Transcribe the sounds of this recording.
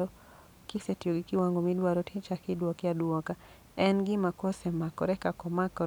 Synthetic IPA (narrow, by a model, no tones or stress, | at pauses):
ɔ | kɪsɛtjoɡikiwaŋɡomidwaɾɔtʰit͡ʃakidwɔkjadwɔka | ɛnɡɪmakɔsɛmakɔɾɛkakɔmakɔ